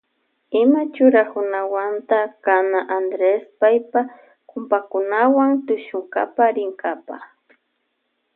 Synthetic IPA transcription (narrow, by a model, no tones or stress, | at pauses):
ɪmat͡ʃʊɾakʊnawant̪akanaʔand̪ɾespajpa | kʊmpakʊnawaŋt̪ʊʃʊŋka̰paɾɪŋɡapa̰